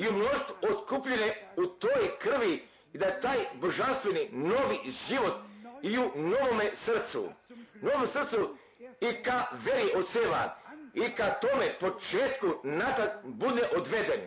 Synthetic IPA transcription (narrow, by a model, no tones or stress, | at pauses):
iumnoʃt̪uot̪kupʎeneut̪ojkr̩ʋi | d̪at̪aːjboʒanst̪ʋenino̞ʋiʒiʋo̞t̪iuno̞ʋomesr̩t̪sṵno̞ʋomsr̩t̪su | ikaʋeɾiʔot̪seʋa̰ikat̪o̞mepo̞t͡ʃeːt̪kunat̪at̪bud̪eʔod̪ʋed̪en